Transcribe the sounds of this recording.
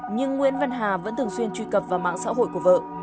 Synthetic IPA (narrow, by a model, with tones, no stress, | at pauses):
ɲɨ˧ŋːwḭ˧˥ənva˧nɦaː˨˩və̰˧˥nt̪ʰɨ˨˩əŋswi˧ənt͡ɕwi˧kə˨˩p̚vaː˨˩wma̰ː˧˨ŋsa̰ː˧˥ɦo̰˧˨jku˧˩əvə̰ː˧˨